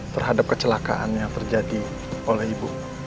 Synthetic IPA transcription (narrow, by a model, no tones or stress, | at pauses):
t̪ərɦadap̚kət͡ʃəlaka̰ʔa̰njaŋt̪ərd͡ʒadi | olɛhibu